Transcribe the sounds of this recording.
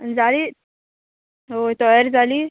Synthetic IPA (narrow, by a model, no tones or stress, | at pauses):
d͡zaliː | ɦot̪ɔjəɾd͡zʱaliː